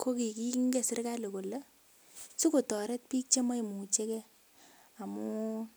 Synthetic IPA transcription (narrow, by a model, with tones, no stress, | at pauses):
kʰo˦ki˨ki˦ŋɡe˦˨sɪ˦ɾka˦lo˨ko˨la˦ | su˦ko˨tɔ˨ɾɛ˦t̚piː˦k̚t͡ʃe˦ma˦jmu˨t͡ʃe˦kɛ˦ | a˨mu˦